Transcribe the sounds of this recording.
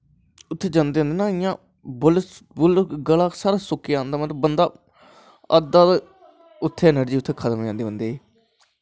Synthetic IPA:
ʊt̪ʰːeːd͡ʒãːnd̪eːɦənd̪eːnãːɪjãː | bʊlsbʊlɡəlaːksaːɾaːsʊkːejãːnd̪aːmət̪ləbənd̪aː | əd̪aːt̪ | ʊt̪ʰːeːnəɾd͡ʒiːʊt̪ʰːeːkʰət̪əmãːnd̪eːə̃nd̪eː

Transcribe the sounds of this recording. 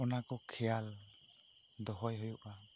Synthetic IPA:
ɔnakɔkʰɛjal | d̪ɔɦɔjɦɔjuʔa

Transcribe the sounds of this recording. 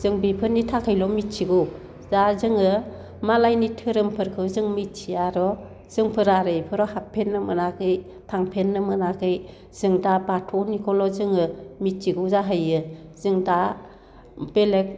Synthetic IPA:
z̥ɯŋbipʰɯɾnitʰakʰɯjlɔmit̚t͡ʃiɡɯ | zazɯŋɯ | malajnitʰɯɾɯmpʰɯɾkʰɯzɯŋmit̚t͡ʃʰiaɾɔ | z̥ɯŋpʰɯɾaɾɯjpʰɯɾɔhapʰːenːɯmɯnakʰɯj | tʰaŋpʰenːɯmɯnakʰɯj | z̥ɯŋdabatʰɔnikʰɔlɔzɯŋɯmit̚t͡ʃiɡuzaɦɯjɯz̥ɯŋda | b̥elek̚

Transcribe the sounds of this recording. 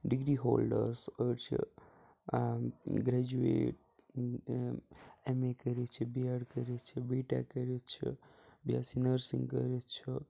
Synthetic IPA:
ɖiɡɾiɦoːlɖəɾsəɾt͡ʃʰḭ | ɡɾɛd͡ʒuḛʈ̚ | emekəɾet͡ʃʰibiaɽkəɾet͡ʃʰibeʈa̰kəɾet͡ʃʰḭbʱjasinəɾsḭ̃ŋɡkə̰ɾet͡ʃʰi

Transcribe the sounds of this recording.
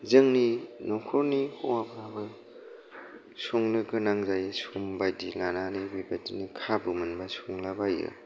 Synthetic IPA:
zɯŋninɔkʰɔɾnihʰɔŋapʰabɯ | suŋlɯɡɯnaŋzajɯsumbajdilananibibadinikʰabɯmɯnbasuŋlabajɯ̰

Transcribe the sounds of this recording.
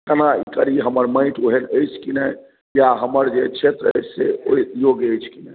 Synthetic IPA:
kənaikəɾiɦəməɾmə̃ɪ̃ʈʰoɦeləjt͡ʃʰkinə | jaɦəməɾd͡ʒet͡ʃʰet̪ɾəə̰jssḛoijoɡəjt͡ʃʰkinɛ

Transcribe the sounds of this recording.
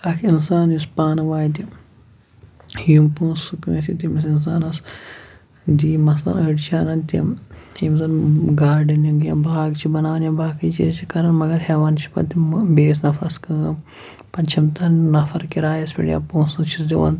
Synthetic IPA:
ɐkʰinsaːnispaːnɐʋaːjt̪i | jumpũːsukmesit̪imisins̬aːnɐs | d̪iːmɐslɐ̰nɐɖt͡ʃʰaːnɐnt̪ḭmhims̬anɡaːɾɖɐnjɐɡjabʱaːɡt͡ʃʰibɐnaːɐnjɐbʱaːkʰɐt͡ʃʰit͡ʃʰikɐɾɐnmɐɡɐɾɦeːʋaːnt͡ʃʰi̥pɐ̰t̪ibeːsnɐfɐɾɐskɨːm | pɐnt͡ʃʰɐmt̪ɐnɐfɐɾkiɾaːjɐspʲḭɽija̰põːsɐt͡ʃʰisdʲiʋɐ̰n

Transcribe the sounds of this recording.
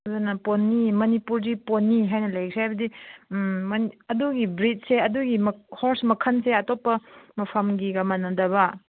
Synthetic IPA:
zɐnɐponːimɐnipuɾdiponːiɦajnɐlɐjksʰajbɐdi | nɐduɡibɾit̚seɐduɡimɐhoɾsmɐkʰɐnseɐtopːɐmɐpʰɐmɡiɡɐmɐnɐdɐβɐ

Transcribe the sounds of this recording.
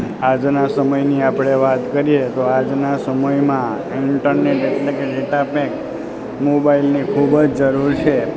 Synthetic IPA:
ad͡ʒnasəməjniapɽ̃eʋat̪kəɾijet̪oad͡ʒnasəməjmã | iɳʈəɾneʈeʈlekeɖeʈapek | mobailnikʰubd͡ʒd͡ʒəɾuɾt͡ʃʰe

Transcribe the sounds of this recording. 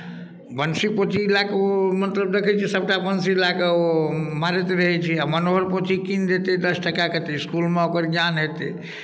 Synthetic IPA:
bənsipot̪ʰilakeomənt̪ləbd̪ekʰɛt͡ʃʰisəb̚ʈabənsilakeomaɾet̪ɾəɦɛt͡ʃʰiamənoɦəɾpot̪ʰikind̪et̪ed̪əsʈəkaket̪eiskulmeokəɾɡjanɦet̪ḛ

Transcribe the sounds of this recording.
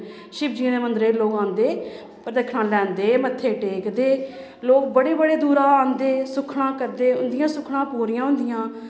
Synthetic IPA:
ʃɪbd͡ʒiãːd̪eːmənd̪ɾeːloːkãːnd̪eː | pəɾd̪əkʰɳãːlɛ̃ːnd̪eːmət̪ʰːeːʈeːkd̪eː | loːk̚bəɽeːbəɽeːd̪uːɾãːãːnd̪eːsʊkʰɽãːkəɾd̪eːʊnd̪ɪjãːsʊkʰɽãːpoːɾɪjãːɦʊ̃nd̪ɪjãː

